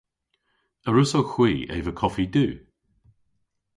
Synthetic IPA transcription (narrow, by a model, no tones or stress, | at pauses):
əɹʊsowxw̥iːḛːvəkʰɔfid̪ʉː